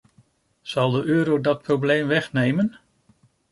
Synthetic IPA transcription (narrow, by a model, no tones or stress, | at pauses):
z̥ɑlˠdəʔøːɾowdɑt̚prowblejmʋɛχnejmən